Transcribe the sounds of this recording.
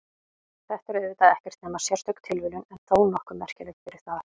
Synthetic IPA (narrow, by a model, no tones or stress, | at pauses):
θɛht̪ɛɾɛðvɪt̪aðɛhcɛɾ̥t̪nɛːmḁsjɛ̥st̪œkt̪ʰɪlvɪlʏnɛnθoːwnɔhkʏmːɛr̥cɪlɛk̪fɪɾɪɾ̥θað